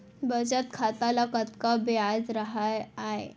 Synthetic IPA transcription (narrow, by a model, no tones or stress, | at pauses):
bəd͡ʑət̪kʰat̪alakət̪kabjad͡zɾaɦajaɦḛ